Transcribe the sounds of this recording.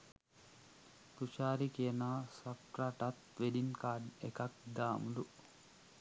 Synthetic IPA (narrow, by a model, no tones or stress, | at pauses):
t̪ut͡ʃaːɾikiənaːsap̚ʈɾaʈat̪ʋeɖinkaːɖekak̚d̪aːmuɖu